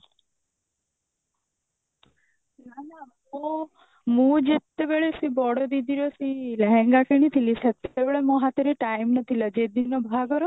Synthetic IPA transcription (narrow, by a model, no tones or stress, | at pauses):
nana | o | mũd͡ʒet̪ːebeɭesibɔɽod̪id̪ʱiɾesiləɦɛ̃ŋɡakenit̪ʰilisək̚t̪eʋɭemɔɦat̪əɾiʈaimnət̪ʰiləd͡ʒed̪inobʱaɡəɾo